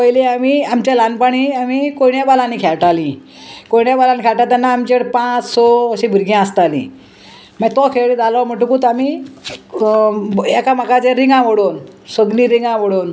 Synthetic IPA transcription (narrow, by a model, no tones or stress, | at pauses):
pəjleamiːamt͡ɕalanpaɽ̃iamikojɳjabalaniːkʰɛɭʈalĩ | kojɳjabalaniːkʰɛɭʈat̪anːaːmt͡ɕeɽpãt͡ssɔəɕĩbʱiɾɡjãəst̪alḭ̃ː | mat̪ɔkʰeɭd͡zalɔm̤əʈ̬ũkut̪amiː | ɛkamakat͡sẽɾiŋɡãʋoɽonsəɡliːɾiŋãʋəɽon